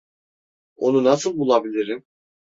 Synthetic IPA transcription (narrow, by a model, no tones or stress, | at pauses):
o̞nunasɯlˠbulˠabilʲiɾim